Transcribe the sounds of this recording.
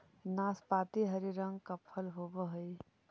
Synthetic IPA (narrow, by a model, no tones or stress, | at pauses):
naːspaːt̪iɦəɾiɾə̃ŋɡkəpʰːəlɦoːbəɦəi